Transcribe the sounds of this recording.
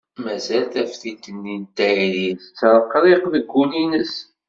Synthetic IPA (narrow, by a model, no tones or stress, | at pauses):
mæzælt̪æfθit̪ːənːint̪ːæiliθt͡sːɾˤəqːɾˤeqðəɡʷːulinəs